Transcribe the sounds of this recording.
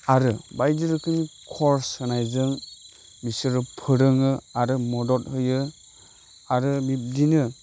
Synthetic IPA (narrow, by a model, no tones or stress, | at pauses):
aɾɯbajdɯɾɯkʰɯnikʰɔɾshɯnajzɯŋ | misɯɾɯpʰɯɾɯŋɯaɾɯmɔdɔt̚hɯjɯ | aɾɯbip̚dinɯ